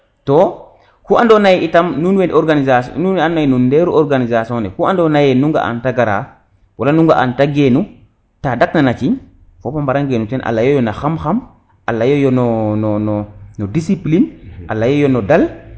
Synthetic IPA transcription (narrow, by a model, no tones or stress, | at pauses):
to | kuʔandonajitamnunwendoɾɡanizasnunanːajnundeɾuɔɾɡanizasonɛkuandonajenuŋɡa̰ʔa̰ntaɡaɾa̰ | walanuŋɡa̰ʔa̰ntaɡenu | tadaknanat͡ʃiɲ | fopambaɾaŋɡenutɛnʔa̰lːajojonaxamxam | ʔalːajojononononodisiplinalːajojonodal